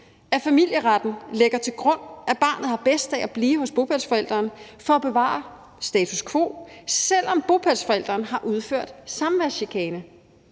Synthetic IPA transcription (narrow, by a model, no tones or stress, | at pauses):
æfæmil̰jəʁɑd̥n̩leɡ̥ɐt͡sʰe̝lɡ̥ʁɔ̽n̰ʔæb̥ɑ̈ːnð̩ˠhɑ̈b̥esd̥æʔæb̥liːɦɔ̽sb̥o̝pʰælsfɒ̽el̰d̥ʁɐnfɒ̽æb̥e̝ʋɑ̰̈ːɑ | sd̥ɛːt͡sʰuskʰʋo̝̰ːsel̰ɒ̽mb̥o̝pʰælsfɒ̽el̰d̥ʁɐːnɦɑ̈ʔuð̞ˠføɐ̰d̥sɑ̈mʋæɕikʰɛːnə